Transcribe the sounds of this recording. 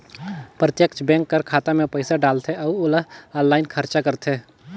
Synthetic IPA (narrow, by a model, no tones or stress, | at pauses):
pɾət̪jəkt͡ʃʰbɛ̃ːŋkːəɾkʰaːt̪amẽpəɪsaɖaːlt̪ʰeɔʊləɦaːlːaːɪnkʰəɾt͡ʃakəɾt̪ʰeː